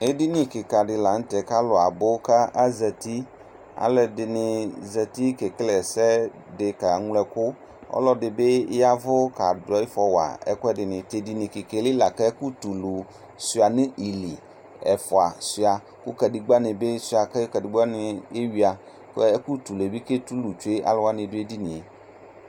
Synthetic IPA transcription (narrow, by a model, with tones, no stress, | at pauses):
e˦di˦nɪ̃˨kɪ˨ka˨dɪ˨la˨n̩˦tɛ˨ka˦lɔ˨a˨bʊ˦ka˦a˦zɛ˨ti˦ | a̰˨lɛ˨dɪ˨nɪ˨zɛ˨ti˦ke˨klɛ˨sɛ˦ | dɪ˨ka˨˦ŋ˦lɛ˨kʊ˦ | ɔ̰˦lɔ˦dɪ˨be˦ja˦vʊ˦ka˨dɔ˦ɪ˦fɔ˦wa̰˨ɛ̰˦kʊ˦ɛ˦dɪ˨nɪ̃˨te˨di˨nɪ̃˨kɪ˨ke˨lɪ˦la˨kɛ˦ku˦tu˨lu˨ | sɪ˨a˨nɪ˦ʔi˨li˨ | ɛ˨fʊ˨a˨sɪ˨a˨ | kʊ˦kɛ˨di˨ɡ͡ba˦nɪ˨be˦sʊ˨a˨kɛ˦kɛ˨dɪ˨ɡ͡ba˦nɪ˨e˦wi˨a˨ | kku˦tu˨le˨bi˦ke˦tu˦lu˨t͡ʃu˨˦e˦ʔa̰˦lɛ˦wa˦nɪ̃˨dʊ˦e˦di˦nɪ̃˨e˨